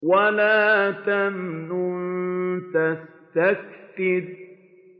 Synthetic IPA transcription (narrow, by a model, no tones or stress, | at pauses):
walaːt̪amnunt̪ast̪akt̪ɪd̪